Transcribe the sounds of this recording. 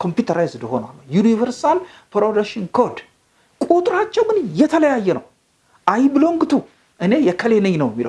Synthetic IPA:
kʰo̞mpjut̪ʰəɾajzɨd̪əho̞na̰lːəwjunivəɾsal | pɾod̪akʃinkʰod̪ | kʼut̪ʼɨɾat͡ʃːɛwmɨnjɛt̪ʰələjajːɛnə̰w | ʔajbɨlo̞ŋɡɨt̪ʰu | ʔɨne̞jɛkʰəlenɨɲnəwjɛmːilə̰w

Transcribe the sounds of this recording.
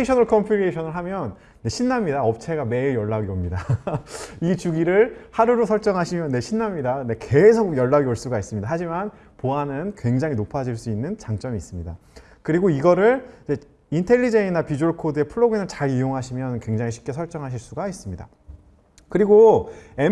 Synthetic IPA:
eɕʰʌnʌɭkʰʌmpʰuɾeɕʰʌnɯɭɦamjʌnː | e̞ɕʰinːamɲidaʌp̚t͡ɕʰe̞ɡame̞ijʌɭːaɡiʌmɲida | it͡ɕuɡiɾɯɭhaɾuɾosʰʌɭt͡ɕ͈ʌŋɦaɕʰimjʌnːe̞ɕʰinːamɲidane̞ke̞sʰoɡjʌɭːaɡioɭs͈uɡais͈ɯmɲidaɦad͡ʑiman | poanɯnkwe̞ŋd͡ʑaŋinopʰad͡ʑiɭs͈uinːɯnt͡ɕaŋt͡ɕ͈ʌmiːs͈ɯmɲida | kɯɾiɡoiɡʌɾɯɭid͡ʑe̞ | intʰe̞ʎːid͡ʑeinapid͡ʑuoɭkʰodɯe̞pʰɯɭːoɡinɯɭt͡ɕaɾijoŋɦaɕʰimjʌnkwe̞ŋd͡ʑaŋiɕʰi̥p̚k͈e̞sʰʌɭt͡ɕ͈ʌŋɦaɕʰiɭs͈uɡais͈ɯmɲida̰ | kɯɾiɡoe

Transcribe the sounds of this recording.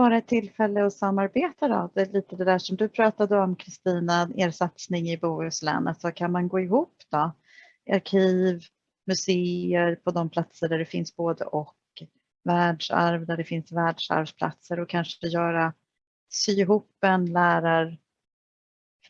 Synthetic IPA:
bɑːɾaɛt̪ʰːɪlːfɛlːəɔsamːaɾbeːt̪ad̪ɔ̰d̪ɛliːt̪əd̪ɛd̪æːʂɔmd̪ɵpʰɾɑːt̪ad̪əɔmkʰɾɪst̪iːnaeːɾsat̪snɪŋɪbuːɵslɛ̰ːnət̪sɔkʰanmanɡoːɪɦuːpːd̪ɔ | ʔaɾkʰiːv | mɵseːəɾpʰɔd̪ɔmpʰlat̪səɖæɖɛfɪnsboːd̪ə̰ʔɔk | væːɖʂa̰ɾvd̪æɖɛfɪnsvæːɖʂa̰ɾvpʰla̰t̪səɾɔkʰanʂəjœːɾa | syːɪɦuːpːɛnlæːɾaɾ

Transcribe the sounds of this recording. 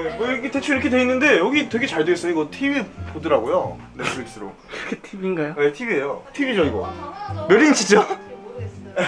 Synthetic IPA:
emʌjiɡite̞t͡ɕʰuiɾʌkʰe̞dwe̞inːɯnde̞jʌɡitwe̞ɡe̞t͡ɕaɭdweːs͈ʌjoiɡʌtʰibipodɯɾaɡojo | netpʰɯɾik̚s͈ɯɾo̰kkʰetʰibinɡajoetʰibie̞jotʰibid͡ʑʌiɡʌ̰mjʌɾint͡ɕʰit͡ɕ͈a

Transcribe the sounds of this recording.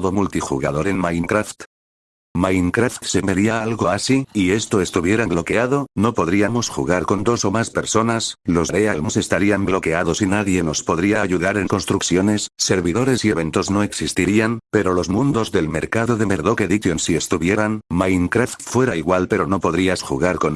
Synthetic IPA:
ðo̞mult̪ixṵɣaðo̞ɾe̞nmajŋkɾaft̪ | majŋkɾaft̪seme̞ɾiaalɣo̞asiie̞st̪o̞e̞st̪uβje̞ɾablo̞ke̞aðo̞no̞po̞ðɾiamo̞sxṵɣ̞aɾko̞nd̪o̞so̞maspe̞ɾso̞naslo̞zɾe̞almose̞st̪aɾiamblo̞ke̞aðo̞sinaðje̞no̞spo̞ðɾiaaʝuðaɾe̞ŋko̞nst̪ɾukθjo̞ne̞sːe̞ɾβiðo̞ɾe̞sie̞βe̞nt̪o̞zno̞e̞ksist̪iɾianpe̞ɾo̞lo̞zmũnd̪o̞zðe̞lme̞ɾkaðo̞ðe̞me̞ɾðoke̞ðikonsie̞st̪uβje̞ɾanmajŋkɾaft̪fwe̞ɾaiɣwalpe̞ɾo̞no̞po̞ðɾiasxṵɣaɾko̞n

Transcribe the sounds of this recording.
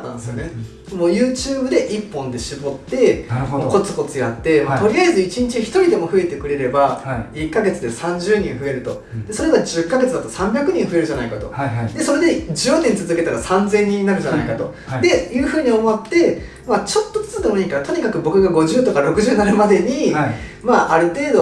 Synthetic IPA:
at̪ːã̰nd̪sɨjone | mo̞ːjɯːt͡ɕɨːbɯ̟d̪e̞ʔipːõnd̪e̞ɕibo̞t̪ːe̞ko̞t͡sɨ̥ko̞t͡sɨjat̪ːe̞mat̪o̞ɾʲiaizɨit͡ɕiɲ̟it͡ɕiçi̥t̪o̞ɾʲid̪e̞mo̞ɸɯ̟e̞t̪e̞kɯ̟ɾe̞ɾe̞baikːaɡe̞t͡sɨd̪e̞sãɲ̟d͡ʑɨːɲ̟ĩɰ̃ɸɯ̟e̞ɾɯ̟t̪o̞ | d̪̥e̞so̞ɾe̞ɡad͡ʑɨkːaɡe̞t͡sɨd̪at̪o̞sãmbʲjakɯ̟ɲ̟ĩɰ̃ɸɯ̟e̞ɾɯ̟ʑanaikat̪o̞̰d̪e̞so̞ɾe̞d̪e̞d͡ʑɨot̪eɲ̟it͡sɨzɨke̞t̪aɾasãnd͡zẽ̞ɲ̟ːĩnaɾɯ̟d͡ʑanaikat̪o̞ | d̪e̞jɯ̟ːɸɯ̟ːɲ̟iomo̞t̪ːe̞ | mat͡ɕo̞t̪ːot͡sɨ̥t͡sɨd̪e̞moiːkaɾat̪o̞ɲ̟ikakɯ̟bo̞kɯ̟ɡaɡo̞ʑɨːt̪o̞kaɾo̞kɯ̟ʑɨːnanamad̪e̞ɲ̟imaʔaɾɯ̟t̪e̞ːd̪o̞

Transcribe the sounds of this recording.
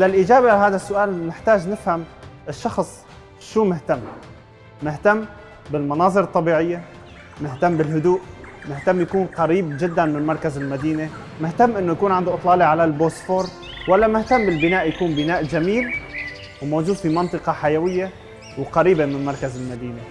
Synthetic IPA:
lalʔɪd͡ʒaːbeʔlaɦaːd̪asːʊʔaːlnɪħt̪aːʒnɪfhamʔɪʃːɑxsˤ | ʃuːmɪht̪amː | ɪht̪amː | bɪlmɑnɑːzˤɨɾɨt̪ˤːɑbiːʕɪjːa | mɪht̪amːbɪlɦʊd̪uːʔmɪht̪amːjakuːnqɑɾiːb̚d͡ʒɪd̪ːanmɪnmɑɾˤkazɪlmad̪iːne | mɪht̪amːʔɪnːojakuːnʕɪnd̪oʔɨt̪ˤlɑːliʕalalboːsfoːɾ | walːamɪht̪amːbɪlbɪnaːʔjakuːnbɪnaːʔd͡ʒamiːl | wmoːd͡ʒuːd̪fimɑnt̪ˤɨqɑħajawɪjːe | wqɑɾiːbemɪnmɑɾˤkazɪlmad̪iːne

